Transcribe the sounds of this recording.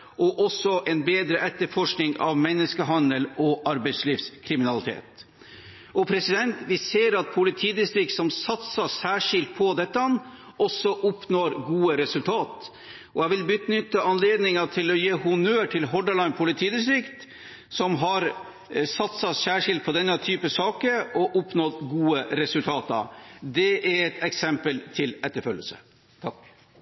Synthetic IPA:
ʔɔʔɔsɔʔɛnbeːd̪ɾəʔɛt̪ːəɾfɔʂknɪŋɑ̰ʋmɛnːəskəɦɑnd̪əlɔʔɑɾbɛɪsliːfskʰɾɪmɪnɑlɪt̪ʰḛːt̪ | ʔɔpʰɾɛsɪd̪ɛnt̪ʋɪseːɾɑt̪̚pʰʊlɪt̪ʰiːd̪ɪst̪ɾɪk̪̚sɔmsɑt̪sɑsæːʂɪlt̪̚pʰɔd̪ɛt̪ːəɑnː | ʔɔsɔʔʊpnoːɾɡuːəɾɛsʉlt̪ʰɑːt̪ | ʔɔæʋɪlbʏt̪nʏt̪ːəɑnleːd̪nɪŋɑt̪ʰɪlɔjeːhʊnøːʈʰɪlɦɔɖəɭɑɪnpʰʊlɪt̪ʰiːd̪ɪst̪ɾɪkt̪ | sɔmɦɑɾ | sɑt̪sɑsæːʂɪlt̪̚pʰɔd̪ɛnːɑt̪ʰyːpəsɑːkəɾɔʔʊpnɔt̪ɡuːəɾɛsʉlt̪ʰɑːt̪ɑ̰d̪ɛʔɛɾɛt̪ɛksɛmpəlt̪ʰɪlɛt̪ːəɾfœlːə̰sə̰ | t̪ʰɑk

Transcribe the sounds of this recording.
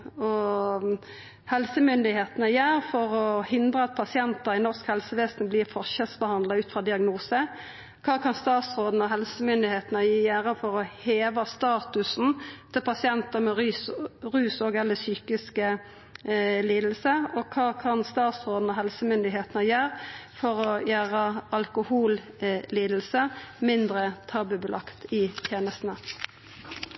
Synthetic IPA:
ɔ | hɛlsəmʏnd̪ɪheːt̪nəjæːʁfɔʁɔhɪnd̪ʁəɑt̪̚pʰɑsɪɛnt̪əʁɪnɔʁskhɛlsəʋeːsnbliːʁfɔʁʃɛlsbəhɑnd̪lɑʉːt̪fʁɑd̪ɪɑɡnuːsə | kʰɑːkʰɑnst̪ɑːt̪sʁoːd̪n̩ɔɦɛlsəmʏnd̪ɪheːt̪nəjiːjæːʁəfɔʁɔheːʋɑst̪ɑːt̪ʉsnt̪ʰɪlpʰɑsɪɛnt̪əʁmɛʁsʁʉːsɔɡɛlːəsyːkɪskə | liːd̪l̩səɔkʰɑːkʰɑnst̪ɑːt̪sʁoːd̪n̩ɔɦɛlsəmʏnd̪ɪɦeːt̪nəjæːʁfɔʁɔjæːʁəɑlkʊhuːl | liːd̪l̩səmɪnd̪ɾət̪ʰɑːbʉbəlʔɑkt̪ɪt̪ʰjeːnəst̪nə

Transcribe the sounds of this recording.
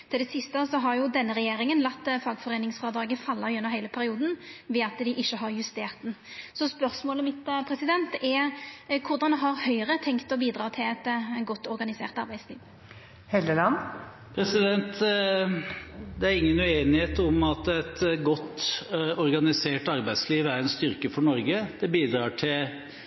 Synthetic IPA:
t̪ʰɪld̪ɛsɪst̪əsɔɦɑɾjʊd̪ɛnːəɾɛjeːɾɪŋənlɑt̪ːfɑːɡfɔʁeːnɪŋsfɑːd̪ɾɑːɡəfɑlːɑʉnːəɾhæɪləpʰæɾɪuːd̪n̩ʋɛːɑt̪d̪ɪʔɪçːəɦɑɾjʉst̪eːʁt̪̚d̪nsɔspœʁsmoːləmɪt̪pʰɾɛsɪd̪ɛnt̪ɛkʰʊɾd̪ɑnd̪ɛɦɑɾhœʏʁət̪ʰɛŋkt̪ɔbiːd̪ɾɑːt̪ʰɪlɛt̪ɡɔt̪ːɔɾɡɑnɪsḛːʁt̪ɑɾbæɪd̪sliːʋ | hɛld̪əlɑnː | pʰɾɛsɪd̪ɛnt̪ | d̪ɛæɾɪŋːənʉeːnɪheːt̪ɔmɑt̪ɛt̪ɡɔt̪ːɔɾɡɑnɪseːʈɑɾbæɪd̪sliːʋæɾɛnst̪ʏɾkəfɔɳɔɾɡəd̪̥ɛbiːd̪ɾɑːʈʰɪl

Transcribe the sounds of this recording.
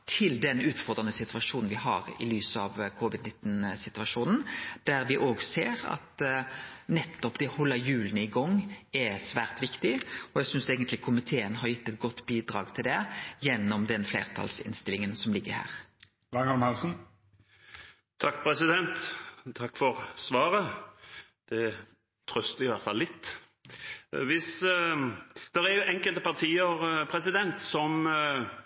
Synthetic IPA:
t̪ʰɪld̪ɛnʉːt̪fɔʁd̪ʁɑnəsɪt̪ʉɑʂuːnn̩ʋɪɦɑ̰ʁɪ̰lyːsəɑʋkʰʊʋɪd̪nɪt̪ːn̩sɪt̪ʉɑʂuːnn̩d̪̥æɾʋɪʔoːɡseːɾɑ̰t̪ | nɛt̪ːɔpd̪ɛhɔlːəjʉːlənəɪɡɔŋːɛsʋæːʁt̪ʋɪkt̪ɪɔæsʏnseːɡənt̪lɪkʰʊmɪt̪ʰeːənɦɑɾjɪt̪ːɛt̪̚ɡɔt̪ːbiːd̪ɾɑ̰ːɡt̪ʰɪld̪ɛjɛnːɔmd̪ɛnflḛːʁt̪ʰɑ̰lsɪ̰nst̪ɪlɪŋənsɔmlɪɡːəhæ̰ːʁ | d̪ɑŋɑlmhɑlsn̩ | t̪ʰɑkːpʰɾɛsɪd̪ɛnt̪t̪ʰɑkːfɔʁsʋɑːɾə | d̪̥ɛ | t̪ʰɾœst̪əɪʋæʁt̪fɑlːɪt̪ː | ʋɪs | d̪̥ɛɾɛɾjʊʔɛŋkəlt̪əpɑʁt̪ʰiːəɾpʰɾɛsɪd̪ɛnt̪sɔm

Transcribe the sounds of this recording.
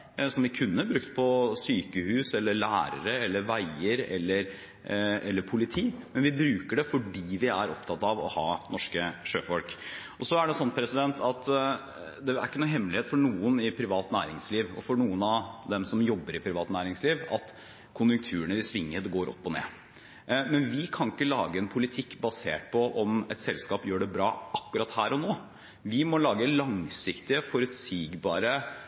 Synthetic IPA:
sɔmʋɪkʰʉnːəbɾʉkt̪pʰɔsyːkəhʉːsɛlːəɭæːɾə̰ɾəɛlːəɾʋæɪəɾɛ̰lːəɾ | ɛlːəɾpʰʊlɪt̪ʰiːmɛnʋɪbɾʉːkəɖɛfɔɖiːʋɪæɾɔpt̪ʰɑt̪ːɑʋɔ̰hɑːnɔʂkəʂøːfɔlk | ɔsɔæɖɛsɔnːpʰɾɛsɪd̪ɛnt̪ʰɑt̪ | d̪ɛæ̰ɾɪkːənːɦɛmːlɪheːt̪fɔɳuːənɪpʰɾɪʋɑːt̪næ̰ːɾɪŋsliːʋɔ̰fɔɳuːənɑʋd̪ɛmsɔmjɔbːəɾɪpʰɾɪʋɑːt̪næːɾɪŋsliːʋɑt̪ | kʰʊnjʉŋk̚t̪ʰʉːəɳəɪsʋɪŋːəd̪ɡoːɾʔɔ̰pːɔnḛː | mɛnʋɪkʰɑnɪkːəlɑːɡəɛnpʰʊlɪt̪ʰɪkːbɑsḛːʈ̚pʰɔʔɔmɛ̰t̪sɛlskɑːpjøːɖɛbɾɑːʔɑkːʉɾɑt̪hæːɾɔnoː | ʋɪmɔlɑːɡəlɑŋsɪkt̪ɪəfɔɾʉt̪siːɡbɑːɾə

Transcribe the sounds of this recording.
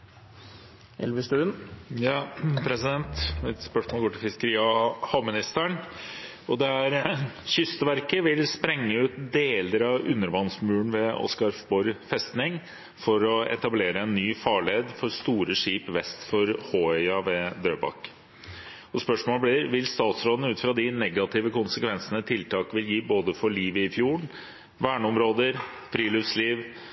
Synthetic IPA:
ɛ̰lʋəst̪ʉnjpʰɾɛsɪd̪ɛnt̪ɛt̪spœʂmoːɡoːʈɪlfɪskəɾiːɑhɑmɪnɪst̪æɳ | ɔd̪ɛæɾɕʏst̪əʋæɾkəʋɪlspɾɛŋːəʉːt̪d̪eːləɾɑʋʉ̰nːəɾʋɑnsmʉːɳ̩ʋɛɔ̰skɑɾfbɔɾfɛst̪nɪŋ | fɔɾɔɛ̰t̪ɑbleːɾəɛnːyːfɑːɭeːd̪fɔɾst̪uːɾəʂiːpʋɛst̪fɔɾhoːœʏɑʋɛd̪ɾøːbɑ̰kː | ɔspœʂmoːləblɪɾʋɪlst̪ɑːt̪sɾoːd̪n̩ʉːt̪fɾɑd̪ɪnɛɡɑt̪ʰɪʋəkʊnsəkʋɛnsənət̪ʰɪlt̪ʰɑːkʋɪljiːboːd̪əfɔɭiːʋəɪfjuːɳ | ʋæːɳəɔmɾoːd̪əɾ | fɾiːlʏfsliːʋ

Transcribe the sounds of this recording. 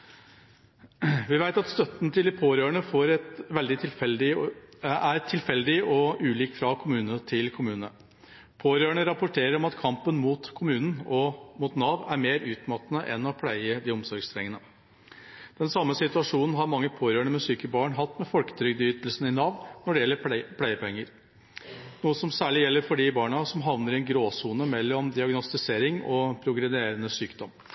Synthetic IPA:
ʋɪʋæɪt̪ɑt̪st̪œt̪ːnt̪ʰɪld̪ɪpʰoːɾøːɳəfoːɾɛt̪ʋɛld̪ɪt̪ʰɪlfɛld̪ɪ | æɾt̪ʰːɪlfɛld̪ɪɔʔʉːliːkfɾɑkʰʊmʉːnənət̪ʰɪlkʰʊmʉːnnə | pʰoːɾøːɳəɾɑpʊʈʰeːɾəɾɔmɑt̪kʰɑmpənmuːt̪kʰʊmʉːnn̩ɔmuːt̪nɑːʋæɾmeːɾʉːt̪mɑt̪nəʔɛ̰nːɔpʰlæɪəd̪ɪɔmsɔɾɡst̪ʰɾɛŋːənə | d̪̥ɛnsɑmːəsɪt̪ʉɑʂuːnn̩ɦɑɾmɑŋːəpʰoːɾøːɳəmɛsyːkəbɑːɳɦɑt̪ːmɛfɔlkə̥t̪ʰɾʏɡd̪əjʏt̪əlsnɪnɑːʋnnɔɖɛjɛlːəɾpʰlæɪəpɛŋːəɾ | nuːəsɔmsæːɭɪjɛlːəɾfɔɖɪbɑːɳɑsɔmɦɑʋnəɾɪɛnɡɾoːsuːnəmɛlːɔmd̪ɪɑɡnɔst̪ɪseːɾɪŋɔpʰɾʊɡɾɛd̪eːɾənəsyːkd̪ɔm

